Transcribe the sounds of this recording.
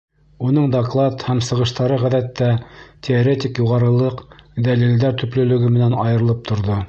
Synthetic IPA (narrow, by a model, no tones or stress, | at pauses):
unɤɴd̪oklˠɑt̪hæmsɤ̆ʁɤ̆ʃt̪ɑɾɤʁæðæt̪ːætʲʰeoɾet̪ʲikjuʁɑɾɤ̆lˠɤqd̪ælild̪æɾt̪ɵ̆plɵ̆lɵ̆ɡɘmɘ̆nænɑjɤ̆ɾɤ̆lˠɤp̚t̪ʰŏɾðo